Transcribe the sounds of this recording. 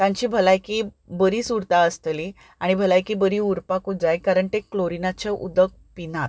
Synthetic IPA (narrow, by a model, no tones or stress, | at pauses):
t̪ãɲt͡ɕiːbʱəlajki | bəɾiːsuɾt̪aəst̪li | aɽ̃ibʱəlajkiːbəɾiːuɾpakud͡zajkaɾəɳt̪ekːloɾinat͡ɕeʔṵd̪ək̚ | pinat̪̚